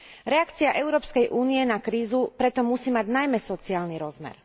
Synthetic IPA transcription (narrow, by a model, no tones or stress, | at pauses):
ɾɛakt͡siaʔɛʊɾɔːpskɛjʔuːniɛnakɾiːzupɾɛt̪ɔmusiːmaɟnajmɛsɔt͡siaːlniɾɔzmɛ̰ɾ